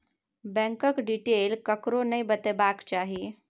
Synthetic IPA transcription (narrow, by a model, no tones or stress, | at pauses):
bɛ̃ŋkəkɖiʈelkəkɾonəjbət̪ebakt͡ɕaɦi